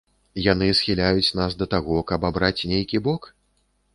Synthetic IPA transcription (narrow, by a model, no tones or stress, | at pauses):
janɨsxʲilʲajut͡sʲnasd̪ɐt̪aɣɔkɐbabɾat͡sʲnʲejkʲibɔk